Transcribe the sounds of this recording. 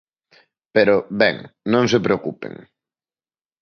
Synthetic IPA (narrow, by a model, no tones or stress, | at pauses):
peɾobɛ̰ŋnõŋs̬epɾeokupḛŋ